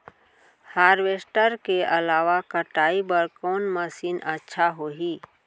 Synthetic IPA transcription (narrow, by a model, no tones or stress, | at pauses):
haːɾʋeːsʈəɾkeʔɐlaːʋakəʈaːibəɾkɔːnməsiːnətːʃʰaɦoːɦiː